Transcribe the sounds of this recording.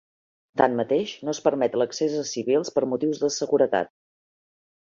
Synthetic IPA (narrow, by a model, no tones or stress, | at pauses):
t̪anmət̪eʃnoəspəɾmɛt̪ləksezəsiβilˠspəɾmut̪iwzðəsəɣuɾət̪a̰t̪̚